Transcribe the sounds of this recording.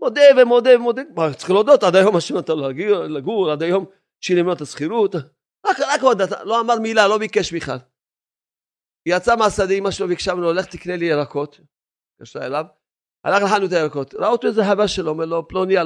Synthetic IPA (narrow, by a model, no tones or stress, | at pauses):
mod̪evemo̞d̪evemod̪eatt͡sχilod̪ot̪ad̪ajo̞maʃemat̪alaɡilaɡulad̪ajom | ʃilimnot̪asχiɾut̪ | akɾakod̪at̪a̰loamaɾmilalo̞bikeʃbiχla̰l | jat͡samasad̪imaʃelovikʃamnoːleχt̪iknelijeɾako̞t̪ | kaʃtaḛlav | a̰laχlaħanut̪ajeɾako̞t̪ɾaot̪iezeħavaʃelomeloplonia